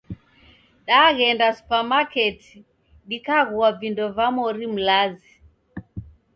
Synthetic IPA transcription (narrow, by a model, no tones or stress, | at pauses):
ɗaɣɛndasu̥pamakɛti̥ | ɗikaɣuavindɔvamɔɾim̩lazi